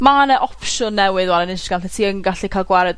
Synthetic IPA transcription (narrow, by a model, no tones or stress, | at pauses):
manɛʔɔpʃʊnːɛwɨðwalˠɛnɪnʃɡantɛtʰiːəŋɡaɬikʰalˠɡwaɾɛd